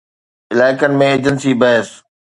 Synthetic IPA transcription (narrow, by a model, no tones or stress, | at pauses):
ɪlaːɪkənɪ̆mẽeːd͡ʑənsibɐɦəs